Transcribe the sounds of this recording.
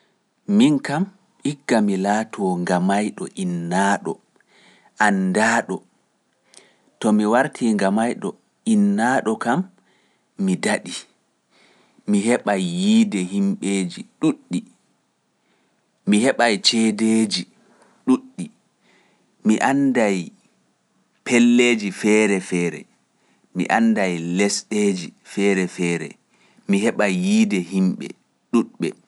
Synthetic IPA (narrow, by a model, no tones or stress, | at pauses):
minkam | iɡːamilaːtʰɔŋɡamajɗɔʔinːaːɗɔ̰ | ʔandaːɗɔ | tɔmiwaɾtʰiŋɡamajɗɔ | inːaːɗɔkamː | idaɗi | miɦɛɓajːiːdɛɦimɓeːd͡ʒiɗuɗːi | mihɛɓajt͡ʃɛdeːd͡ʒi | ɗuɗːi | miʔandaj | pɛlːeːd͡ʒifɛːɾɛfɛːɾɛ̰ | mḭʔandajlɛsɗeːd͡ʒifɛɾɛfɛːɾɛ̰ | miɦɛɓajːiːdɛɦimɓɛ̰ | ɗuɗɓɛ